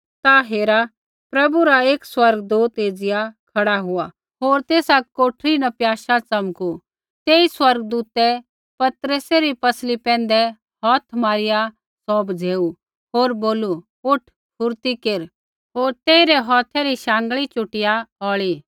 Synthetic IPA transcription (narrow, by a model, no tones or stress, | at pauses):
t̪aɦeːɾa | pɾɐbuɾaeːkswɐɾɡd̪uːt̪eːd͡zɪjakʰɐɽaɦʊa | ɦoːɾt̪eːsakoːʈʰɾinɐpjaːʃat͡sɐmku | t̪eːiswɐɾɡd̪uːt̪ɛ | pɐt̪ɾəsɛɾipɐslipɛ̃ːn̆d̪ɛ | ɦɔːt̪ʰmaːɾɪja | sɔːbd͡zʱeːu | ɦoːɾboːlu | ʊʈʰ | pʰʊɾt̪ikeːɾ | ɦoːɾt̪eːiɾɛɦɔːt̪ʰɛɾiʃãːŋɡɭit͡ʃʊʈɪjaɔːɭiː